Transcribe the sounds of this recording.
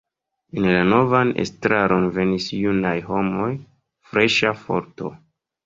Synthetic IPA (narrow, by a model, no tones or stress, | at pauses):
enlano̞vanḛstɾaɾo̞nve̞nisjunajho̞mo̞j | fɾe̞ʃafo̞̰ɾto̞̰